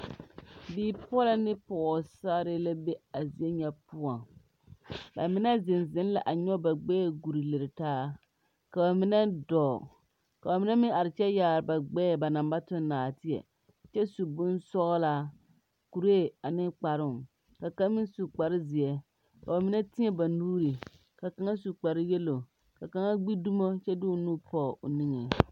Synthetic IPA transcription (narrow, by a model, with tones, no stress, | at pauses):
biː˦˨pɔ˦la˦nɪ˦pɔ˨sa˦ɾɪ˦la˦be˦a˨zi˨ɛ˦ɲɛ˦pu˦ɔ˨ŋ | ba̰˨mɪ˦nɛ˦zɪ˨nzɪ˦n˦la˨ʔa˨ɲɔ˦ba˨ɡ͡bɛː˦˨ɡu˨ɾi˨le˨ɾɪ˨taː˦ | ka˨ba˨mɪ˦nɛ˦dɔː˨ | ka˨ba˨mɪ˦nɛ˦mɪ˦a˨ɾɪ˨t͡ʃɛ˦jaː˨ɾɪ˨ba˨ɡ͡bɛː˦˨ba˨na˨mba˦tʊ˦nː˦aː˨tɪ˦ɛ̰˨ | t͡ʃɛ˦su˨bʊ˦nsɔ˦ɣɔ˦la˦ | ku˨ɾe˦˨a˨nɪ˦k͡pa˨ɾʊ˦˨ŋ | ka˨ka˦mɪ˦nsu˨k͡pa˨ɾɪ˦zɪ˨ɛ˨ | ka̰˨ba˨mɪ˦nɛ˦tɪ˦ɲɛ˨ba˨nuː˦ɾi˨ | ka˨ka˨ŋa˦su˨k͡pa˨ɾɪ˦jɛ˦lo˨ | ka˨ka˨ŋa˦ɡ͡bi˦du˦mo˦t͡ʃɛ˦dɪ˦ʊ˨nuː˦pɔː˦˨ʔʊ̰˨ni˦ŋe˨